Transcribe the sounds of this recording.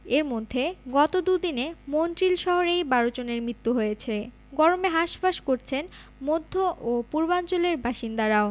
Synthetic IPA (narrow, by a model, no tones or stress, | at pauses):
eɾmod̪ʱːeɡɔt̪od̪ud̪inemontɾilʃɔɦoɾejbaɾot͡ɕoneɾmɾit̪ːuɦojet͡ɕʰe | ɡɔɾomeɦaʃpaʃkoɾt͡ɕʰen | mod̪ʱːoʔopuɾbant͡ɕoleɾbʱaʃind̪aɾao